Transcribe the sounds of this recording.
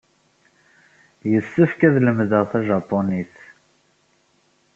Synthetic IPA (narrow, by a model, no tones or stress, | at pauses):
jəsːəfkæðləmðəʁθæʒɑpːoniθ